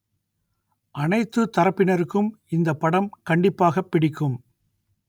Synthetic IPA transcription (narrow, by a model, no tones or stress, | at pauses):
ʔɐnɐɪt̪ːɯt̪ːɐɾɐpːɪnɐɾɯkːɯmɪnd̪ɐpːɐɽɐmkɐɳɖɪpːaːɣɐpːɪɽɪkːɯm